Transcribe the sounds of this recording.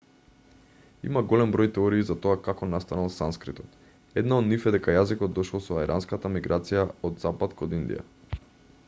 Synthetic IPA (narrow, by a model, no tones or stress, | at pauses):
ḭmaɡɔlɛmbɾɔjt̪ɛoɾiːzat̪oakakɔnast̪analˠsanskɾit̪ɔt̪ | ɛd̪naod̪nifɛd̪ɛkajazikɔd̪̚d̪ɔʃlˠɔsɔaiɾʔanskat̪amiɡɾat̪sijaod̪zapat̪kod̪ind̪ḭja̰